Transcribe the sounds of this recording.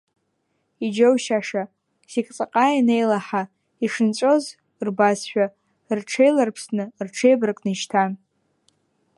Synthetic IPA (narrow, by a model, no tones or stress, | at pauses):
id͡ʒowʃaʂa | sikʼt͡sʼaqʼajanejlaħa | iʂɨnt͡ɕʷʼo̞z | rbasʃᶣa | rʈ͡ʂʰejlarpʰsnɨrʈ͡ʂʰe̞jbrɨkʼnɨʃtʰan